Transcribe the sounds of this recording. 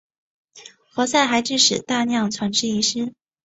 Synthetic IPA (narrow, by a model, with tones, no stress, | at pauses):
xwɔ˧˥sa˥˩ɪxa˧˥ɪʈ͡ʂɻ̩˥˩ʂɻ̩˨˩t̪a˥˧njɑ˥˩ŋt͡sʰwa˧˥nʈ͡ʂɻ̩˥˧i˧˥ʂɻ̩˥